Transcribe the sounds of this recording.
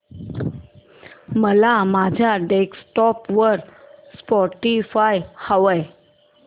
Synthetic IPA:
məlamad͡ʑʱjaɖeksʈɔpʋəɾspɔʈifajhaʋəj

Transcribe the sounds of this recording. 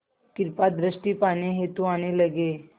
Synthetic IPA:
kiɾpad̪ɾəsʈiːpañeɦet̪uaɽ̃eləɡe

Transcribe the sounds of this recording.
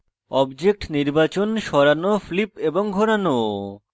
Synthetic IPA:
ɔbd͡ʑek̚ʈniɾbat͡ɕonʃɔɾanoflipeboŋɡʱoɾano

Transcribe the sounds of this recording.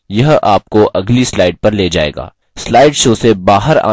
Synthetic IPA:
jɐɦaːp̚koʔɐɡlislaːɪɖ̚pɐɾleːd͡ʒa̰ːḛːɡa̰ː | slaːɪɖʃoːsebaːɦəɾa̰ː

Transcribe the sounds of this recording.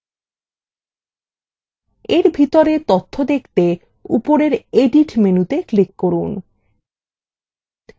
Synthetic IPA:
eɾbʱit̪oɾet̪ot̪ʰːod̪ekʰt̪e | ṵpoɾeɾeɖiʈmenut̪eklikːoɾun

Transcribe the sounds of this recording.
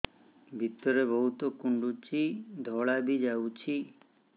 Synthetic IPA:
bʱit̪ːəɾebəɦut̪okuɳɖut͡ʃʰid̪ʱɔɭabid͡ʒaut͡ʃʰi

